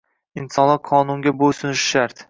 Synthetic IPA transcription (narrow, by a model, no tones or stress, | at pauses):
ɪnsɒnlɪqʰɒnʊŋɡʲabosʊnʃʃaɾt̪